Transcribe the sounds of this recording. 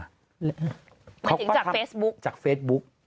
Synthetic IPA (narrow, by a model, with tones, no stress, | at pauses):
akʰa˦˥wt̪ʰɯ˩˦a˦˥aː˨˩˧feː˦˥sbu˦˥k̚t͡ɕaː˨˩k̚feː˦˥t̪̚bu˦˥k̚